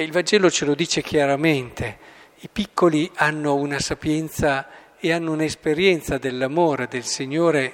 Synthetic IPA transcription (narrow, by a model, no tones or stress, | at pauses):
ilvand͡ʒɛːlot͡ʃelod̪iːt͡ʃekjaɾament̪ʰe | ipikʰːolianːounasapjɛnt̪sa | eanːounaespeɾjɛnt̪sad̪elːamoːɾed̪elsiɲːoːɾe